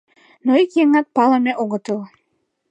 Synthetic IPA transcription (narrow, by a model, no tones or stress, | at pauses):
noikjeŋɑt̪̚pɑləmeʔoɣə̆t̪əl